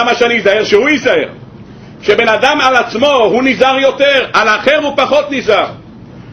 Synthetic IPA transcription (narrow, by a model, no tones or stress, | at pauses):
amaʃeanijizaheʁʃehujizaḛʁ | ʃebe̞nad̪amalat͡smo̞hunizaʁjo̞t̪eʁalaχeʁupaχo̞t̪nizaʁ